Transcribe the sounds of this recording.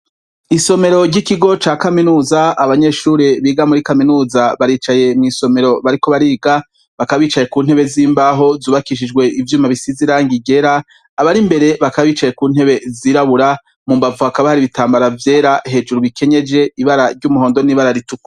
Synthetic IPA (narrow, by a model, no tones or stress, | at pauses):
iso̞me̞ɾo̞ɾɟikiɡo̞t͡ʃaːkaminuːzaaβaɲe̞ʃuːɾeβiːɡamuɾikaminuːzaβaɾiːt͡ʃaje̞mŋiːso̞me̞ɾo̞βaɾiko̞βaɾiːɡa | βakaβiːt͡ʃaje̞kuːn̥he̞βe̞ziːmbaɦo̞zuːβakiʃ̬id͡ʒɡwe̞ʔivjuːmaβisiziɾaːŋɡiɡe̞ɾaː | βaɾimbe̞ɾe̞βakaβaβiːt͡ʃaje̞kuːn̥he̞βe̞ziːɾaβuɾa | mumbavuhakaβahaɾiβitaːmbaɾavje̞ːɾaɦe̞d͡ʒuɾuβikʰe̞ɲe̞d͡ʒe̞iβaɾaɾɟumuɦo̞ːndoniːβaɾaɾituk